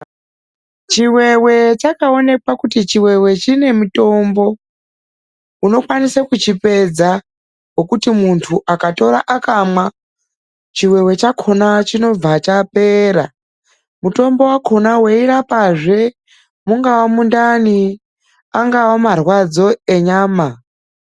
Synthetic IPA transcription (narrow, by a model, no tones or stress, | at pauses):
t͡ʃiwe̞we̞t͡ʃakao̞ne̞kwakutit͡ʃiwe̞we̞t͡ʃine̞muto̞mbo̞ | uno̞kwanisakut͡ʃipe̞d͡za | wokutimuntʰuʔakato̞ɾaʔakamwa | t͡ʃiwe̞we̞t͡ʃakʰo̞nat͡ʃino̞b͡vat͡ʃape̞ɾa̰ | muto̞mbo̞wakʰo̞naweiɾapaʐe̞ | muŋɡawamundani | aŋɡawamarwad͡zo̞e̞ɲaːma